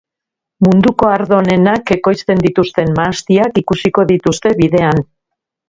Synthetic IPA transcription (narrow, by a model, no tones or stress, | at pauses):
mund̪uko̞aɾðo̞ne̞nake̞ko̞jst̪e̞nd̪it̪ust̪e̞mmaːst̪iakikusiko̞ðit̪ust̪e̞βiðe̞an